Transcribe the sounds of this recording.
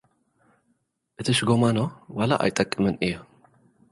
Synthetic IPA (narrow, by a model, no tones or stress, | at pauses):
ʔɨt̪ʰiʃɡomanowalaʔa̰jt̪ʼɐkʼːɨmɨnʔɨjːo